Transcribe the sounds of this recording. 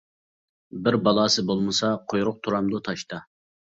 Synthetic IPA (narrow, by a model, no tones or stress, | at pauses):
bɪɾbɑlˠɑːsɨbolˠmɨsɑqʰojɾʊq̚t̪ʰuɾɑmd̪ʊt̪ʰɑʃt̪ɑ